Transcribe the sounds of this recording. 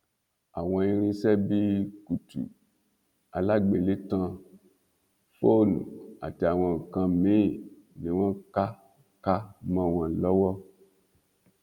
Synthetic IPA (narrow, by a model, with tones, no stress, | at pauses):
a̰˨w̃ɔ̃˧i˧ɾĩ˧sɛ˦bi˦ku˨tṵ˨ | a̰˨la˦ɡ͡be˨le˦tã˧ | fo˦˨nṵ̃˨a̰˨ti˨a˨w̃ɔ̃˧˨kã˧mĩ˦˨ | nẽ˨wã˦ka˦ | ka˦mã˧˨wã˨lɔ˨˦wɔ˦